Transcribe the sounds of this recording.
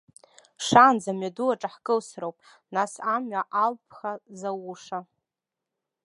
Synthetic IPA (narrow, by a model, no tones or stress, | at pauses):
ʂaːnd͡zamɥaduaʈ͡ʂʼaħkʼɨlsrowpʼ | nasamɥaʔalpʰχazawuʂa